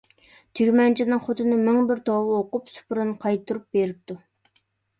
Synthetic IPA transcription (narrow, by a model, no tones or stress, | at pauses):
t̪ʰyɡʲmɛnt͡ʃʰinɨŋχot̪ʰɨnɨmɪŋbɪɾt̪ʰowɨoqʊpsu̥pʰɾɨnqʰɑjt̪ːuɾup̚beɾɪp̚t̪u